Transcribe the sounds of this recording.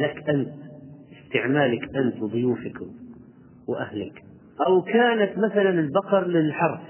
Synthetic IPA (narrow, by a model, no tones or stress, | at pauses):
lakʔant̪ɪst̪ɪʕmaːlakʔant̪wðˤʊjuːfɪk | wʔahlɪk | ʔawkaːnat̪maθalanɪlbɑqɑɾˤlɪlħɑɾˤf